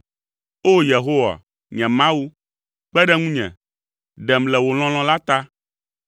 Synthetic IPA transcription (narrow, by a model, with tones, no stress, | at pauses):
o˦je˨ɦo˦wa̰˨ | ɲɛ̃˨mã˦wu˦ | k͡pɛ˦ɖɛ˦ŋũ˦ɲɛ̰̃˨ | ɖɛ˨mlɛ˨wo˨l̃ɔ̃˦l̃ɔ̃˦la˦t̪a˦